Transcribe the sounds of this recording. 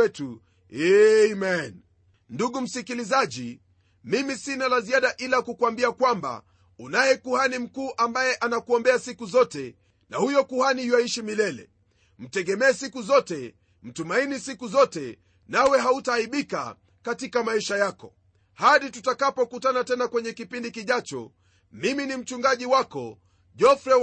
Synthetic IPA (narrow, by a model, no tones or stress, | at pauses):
ɛtu | ɛmɛn | nduɠum̩sikilizaʄi | mimisinalaziaɗaʔilakukuambiakwamba̰ | unajɛkuhanim̩kuːʔambajɛʔanakuɔmbɛasikuzɔtɛ | nahujɔkuhaniwaiʃimilɛlɛ̰ | m̩tɛɠɛmɛːsikuzɔtɛ | m̩tumainisikuzɔtɛ | nawɛɦautaːiɓika̰ | katikamaiʃajakɔ | haɗitutakapɔkutanatɛnakwɛɲɛkipindikiʄat͡ʃɔ̰ | miminim̩t͡ʃuŋɡaʄiwakɔ̰ | ʄɔfɾɛ